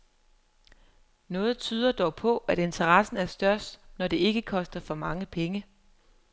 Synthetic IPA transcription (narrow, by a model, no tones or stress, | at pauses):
nɔ̽ːð̞̩ˠt͡sʰyːð̞ˠɐd̥ɒʊpʰɒ̽ʔæɾ̥e̝nt͡sʰɐʁɑsn̩æɐsd̥ɶɐ̰sd̥nɒd̥e̝e̝ɡ̥əkʰɒ̽sd̥ɐfɒ̽mɑ̈ŋəpʰeŋə